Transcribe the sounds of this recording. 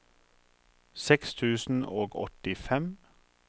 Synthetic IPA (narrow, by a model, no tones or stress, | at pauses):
sɛkst̪ʰʉːsn̩oːɡɔ̰t̪ɪfɛm